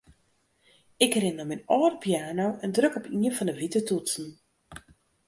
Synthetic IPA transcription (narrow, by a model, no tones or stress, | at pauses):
ɪkrɪnəminɔːrpʰjaːnowəndrøkɔpʰiənfɔndəʋitətutsn̩